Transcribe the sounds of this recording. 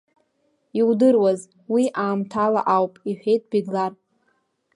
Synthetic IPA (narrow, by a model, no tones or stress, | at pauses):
iwdɨrwaz | wiʔaːmtʰala̰ʔawpʼiħᶣe̞jtʼbiɡlar